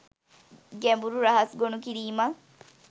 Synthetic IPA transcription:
ɡembuɾuɾɐɦɐsɡonukiɾiːma

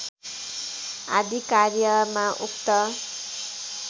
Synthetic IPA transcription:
ad̪ʱikaɾjʌmaʔukt̪ʌ

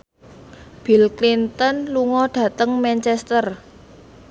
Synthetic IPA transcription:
b̥ilklint̪ənluŋɔɖ̥ä̤t̪əŋmɛnt͡ʃɛst̪ər

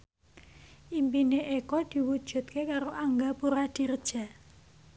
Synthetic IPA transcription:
ʔimpineʔekɔd̪̥i̤wud̥ʒ̥ṳt̪̚kekaɾoʔaŋɡapuɾad̪̥i̤rd̥ʒ̥a̤

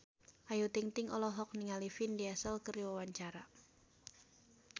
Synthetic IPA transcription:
ʔajut̪ɪŋt̪ɪŋɔlɔɦɔk̚niŋalifindiasəlkəriwawaɲt͡ʃaɾa

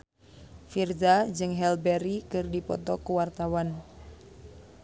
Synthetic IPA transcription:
firdad͡ʒɨŋɦɛlbɛɾikɨrdipɔ̰t̪ɔkuwart̪awan

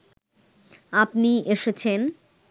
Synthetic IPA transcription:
apnieʃet͡ɕʰen

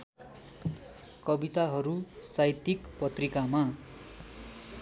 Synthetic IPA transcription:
kʌbit̪aɦʌɾusajt̪ikpʌt̪rikama

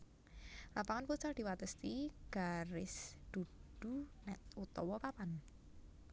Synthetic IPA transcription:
lapaŋanput͡ʃard̪̥i̤wat̪əst̪iɡ̥aɾɪsd̪̥ṳd̥ṳnɛt̪ut̪ɔwɔpapan

